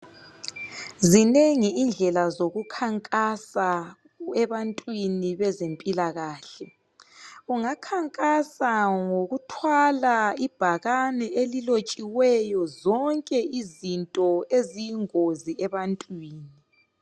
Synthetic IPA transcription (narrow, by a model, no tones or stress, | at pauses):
zineŋiːnd͡ɮʱɛlazoɣukʰaŋkʼasa | ɛβantʼwiniβɛzempʼilaɣaːɬɛ | ɣuŋakʰaŋkʼasaŋoɣutʰwalaib̥ʱaɣanɛʔelilot͡ʃʼiwɛjɔzɔŋkʼɛʔizintʼɔezijiŋoziɛβantʼwiːni